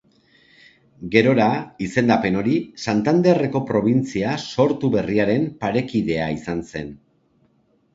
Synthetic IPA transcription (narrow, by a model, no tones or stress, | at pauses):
ɡe̞ɾo̞ɾaise̞nd̪ape̞no̞ɾisant̪and̪ere̞ko̞pɾo̞β̞int͡siaso̞ɾt̪uβe̞riaɾe̞mpaɾe̞kiðe̞aisanse̞n